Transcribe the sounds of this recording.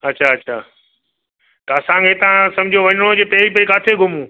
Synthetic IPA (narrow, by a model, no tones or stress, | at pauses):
ɐt͡ɕʰaɐt͡ɕʰaː | t̪ɐɐsãkeːt̪ãsɐ̃md͡ʑʱioʋɐɲɪɽ̃od͡ʑeːpɐɦip̬ɐikaːt̪ʰeɡʱʊmũː